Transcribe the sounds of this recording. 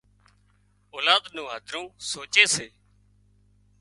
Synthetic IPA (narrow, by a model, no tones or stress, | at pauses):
oːlaːd̪nũːɦəd̪ʱɾũːsoːt͡ʃeːseː